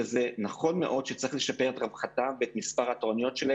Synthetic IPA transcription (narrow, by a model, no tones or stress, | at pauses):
ezenaχo̞nmeʔo̞dʃet͡saʁiχle̞ʃapeʁetʁavχatabeet̪mispaʁhatoʁanijo̞tʃele